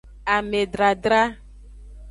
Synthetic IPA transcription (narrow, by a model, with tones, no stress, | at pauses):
a˨me˨ɖɾa˨ɖɾa˦